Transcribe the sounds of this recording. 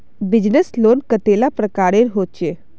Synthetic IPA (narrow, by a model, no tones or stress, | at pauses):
bɪd͡ʒnəsloːnkət̪eːlapɾəkaːɾeɾɦoːt͡ʃeː